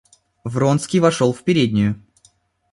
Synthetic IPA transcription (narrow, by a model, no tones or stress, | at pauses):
vɾonskʲijvɐʂolˠfpʲɪɾʲedʲnʲɪjʊ